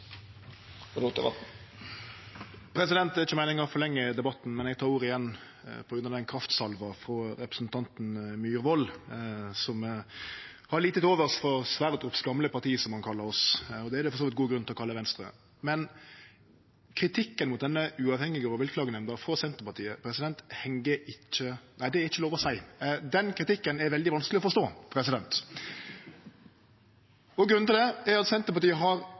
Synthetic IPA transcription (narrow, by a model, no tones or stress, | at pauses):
ɾut̪əʋɑ | pʰɾɛsɪd̪ɛnt̪ɛɪt͡ʃːəmæɪnɪŋɑfɔɾlɛŋːəd̪ɛbɑt̪ːn̩mɛnɛɡ̚t̪ʰɑːɾuːɾɪjɛnː | pʰɔɡɾʉnəɑd̪ɛnkʰɾɑft̪sɑlʋɑfɾɔɾɛpɾəsn̩t̪ʰɑnt̪nmyːɾʋɔl | sɔm | hɑɭiːt̪ət̪oːʋəʁsfɔsʋæːɾəd̪ɾʊpsɡɑmləpɑʁt̪ʰiːsɔmhɑnkʰɑlːəɾɔsɔd̪ɛːɾd̪ɛfɔsoːʋɪt̪ɡuːɡɾʉnt̪ɪlɔkʰɑlːəʋɛnst̪ʁə̰ | mɛn | kʰɾɪt̪ʰɪkːənmʊt̪̚d̪ɛnːəʉːɑːʋhɛŋːɪɡɔɔʋɪl̚flɑːɡənɛmnd̪əɾfɾɔsɛnt̪əpɑt̪ʰiːəpʰɾɛsɪd̪ɛnt̪hɛŋɡəɪcːənæɪd̪ɛɛɾɪçːəloːʋɔsæɪd̪ɛnkʰɾɪt̪ɪkːənɛɾʋɛld̪ɪʋɑnsklɪɔfɔɾst̪oːpʰɾɛsɪd̪ɛnt̪ | ɔɡɾʉnn̩ɪld̪ɛæɾɑt̪sɛnt̪əpɑɾt̪iːəɦɑɾ